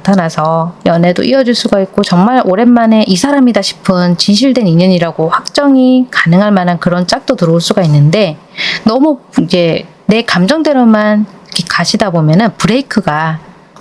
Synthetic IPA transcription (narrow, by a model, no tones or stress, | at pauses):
natʰanasʰʌjʌne̞do̰ʔiʌd͡ʑuɭs͈uɡait̚k͈ot͡ɕʌŋmaɾʔoɾe̞nmane̞ʔisʰaɾamidaɕʰi̥pʰɯnt͡ɕinɕʰiɭdwe̞niɲʌɲiɾaɡoɸwak̚t͡ɕ͈ʌŋikanɯŋɦaɭmanankɯɾʌnt͡ɕ͈ak̚t͈otɯɾʌuɭs͈uɡainːɯnde̞ | nʌmuid͡ʑe̞ | ne̞kamd͡ʑʌŋdwe̞ɾomanʌkʰekaɕʰidabomjʌnɯnpuɾe̞ikʰɯɡa